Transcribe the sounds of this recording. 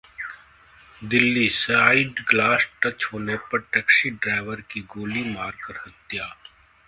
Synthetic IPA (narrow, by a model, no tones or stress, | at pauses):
d̪ɪlːisaːiɖɡlaːsʈɐt͡ʃɦoːnepɐɾʈɛːksiɖɾaːɪʋəɾkiɡoːlimaːɾkɐɾhɐt̪jaː